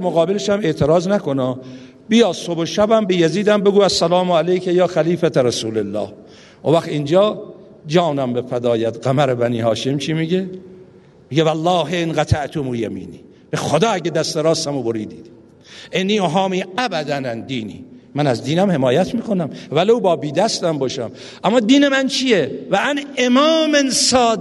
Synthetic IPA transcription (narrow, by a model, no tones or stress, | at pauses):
æɾmoɣɒːbeleʃæme̞ʔt̪ʰeɾɒːznækonɒː | bijɒːsoboʃæbæmbejæziːd̪æmbe̞ɡuːæsːælɒːmoælejkʰejɒːxæliːfæt̪ʰeɾæsuːlelːɒ̰ːh | ʔovæxt̪ind͡ʒɒː | d͡ʒɒːnæmbefæd̪ɒːjæd̪ɡæmæɾebæniːɦɒːʃemt͡ʃʰiːmiɟe | miɟevælːɒːɦeenɢæt̪ʰæʔt̪ʰomuːjæmḭːnḭː | b̥exod̪ɒːæɟed̪æst̪eɾɒːst̪æmoboɾiːd̪iːd̪̥ | ʔenːiːoɦɑːmiːæbæd̪ænænd̪iːnḭːmænæzd̪iːnæmhe̞mɒːjæt̪miːkonæmvælowbɒːbiːd̪æst̪æmbɒːʃæm | ʔæmːɒːd̪iːnemænt͡ʃʰijevæænemɒːmensɒːd̪